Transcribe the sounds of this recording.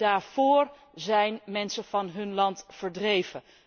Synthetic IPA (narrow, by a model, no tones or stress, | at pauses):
daːɹv̥ʊːɹ | zɛjnmɛnsəv̥ɑnɦɵnlɑntfəɹdrejvə